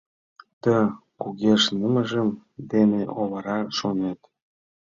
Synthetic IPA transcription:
t̪əkuɣeʃnəməʒəmd̪eneʔoβɤɾɑʃonet̪

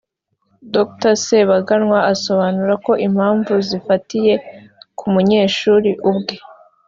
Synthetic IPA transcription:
doktaseβaɡanŋwaʔaso̞βanuɾako̞ʔim̥haːɱvuzifatije̞kʰumuɲe̞ːʃuːɾiʔubɡe

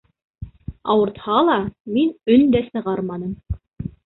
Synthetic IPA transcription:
ɑwɤ̆ɾt̪hɑlˠɑminɵnd̪æsɤ̆ʁɑɾmɑnɤm

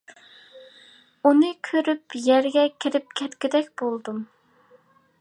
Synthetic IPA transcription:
unɨkʲʰøɾypjɛɾɡʲɛkʲʰiɾɪp̚kʲʰɛt̪kʲid̪ɛkʲb̥olˠd̪um

